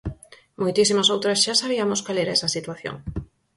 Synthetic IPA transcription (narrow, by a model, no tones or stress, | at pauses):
mojt̪isimasowt̪ɾasʃasaβ̞iɐmoskalɛɾaɛsasit̪waθjo̰ŋ